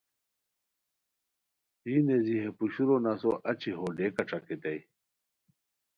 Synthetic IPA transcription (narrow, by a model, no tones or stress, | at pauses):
iːneziɦepuɕuɾonasoʔɐt͡ɕʰiɦoɖekɐʈ͡ʂaket̪ej